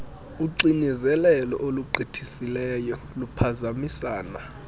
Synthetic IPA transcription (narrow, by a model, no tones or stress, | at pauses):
uǀinizɛlɛlɔ̰ʔoluǃʱitʰisilɛjɔ | lupʰazamisaːna